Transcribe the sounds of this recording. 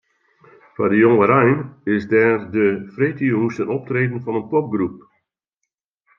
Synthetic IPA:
fadəjɔŋəɾɛjnɪsdɛːrdəfretiəustənɔp̚treːdən̩fɑnəntɔp̚ɡrup̚

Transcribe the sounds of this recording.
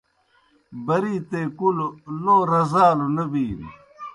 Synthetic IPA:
bɐɾiːt̪eːkuloloːɾɐzaːlonɐbiːn

